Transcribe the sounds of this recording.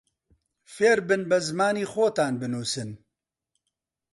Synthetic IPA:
feːɾbɨnbɛzɨmaːniːxoːt̪aːnbɨnuːsɨn

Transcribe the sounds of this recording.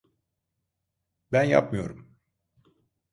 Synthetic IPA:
bænja̰pmɯjo̞̰ɾum

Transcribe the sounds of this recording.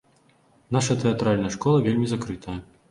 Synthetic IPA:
naʂɐt̪ɛat̪ɾalʲnɐjɐʂkɔlˠɐvʲelʲmʲizakɾɨt̪ʰɐjɐ

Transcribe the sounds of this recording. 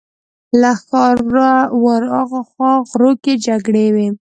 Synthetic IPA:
laxɑawaɾɑɣaxwɑɣɾoked͡ʒaɡɽewe

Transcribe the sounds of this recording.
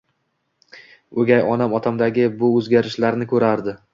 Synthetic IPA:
ɵɡʲajɒnamɒt̪ʰamd̪aɡʲɪbʊɵzɡʲaɾɪʃlaɾnɪkʰɵɾaɾd̪ɪ

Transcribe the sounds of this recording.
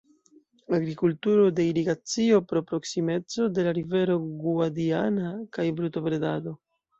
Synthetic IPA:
aɡɾikultuɾo̞de̞iɾiɡat͡sio̞pɾo̞pɾo̞ksime̞t͡so̞de̞laɾive̞ɾo̞ɡuadianakajbɾuto̞pɾedado̞

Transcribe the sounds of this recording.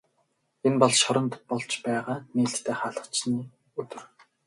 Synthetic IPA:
enpɔɮʃɔɾɞ̆nt̪pɔɮt͡ɕpæːʁaːniːɬt̪t̪ʰːeːχaːɮə̆χt͡ɕniː | ɵt̪ɵ̆r

